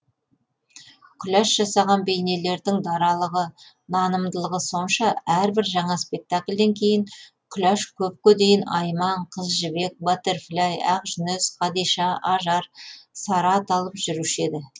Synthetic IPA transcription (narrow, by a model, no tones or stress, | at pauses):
kʲʰʏlæʃʒ̥ɑsɑʁɑnbe̞jne̞le̞ɾd̪ɪŋd̪ɑɾɑlˠəʁə | nɑnəmd̪əlˠəʁəso̞nʃɑæɾbɪɾʒɑɴɑspe̞k̚t̪akʲlʲd̪e̞ŋkʲʰe̞jɪŋ | kʲʰlæʃkʲʰɵp̚kʲɵd̪e̞jɪnɑ̰jmɑɴqʰəzʒɪbe̞k̚bɑt̪eɾflʲajɑqʒʏnɪsqʰɑd̪iʃɑʔɑʒɑɾsɑɾɑt̪ɑlˠəpʒʏɾuʃe̞d̪ɪ